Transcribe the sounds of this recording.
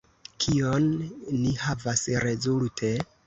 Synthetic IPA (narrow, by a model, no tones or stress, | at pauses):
kʰio̞nːihavasɾe̞zultʰe̞